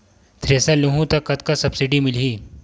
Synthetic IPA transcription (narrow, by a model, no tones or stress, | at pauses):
t̪ʰɾeːsaluɦũt̪ɐkːɐt̪kasɐbsɪɖimɪlɦiː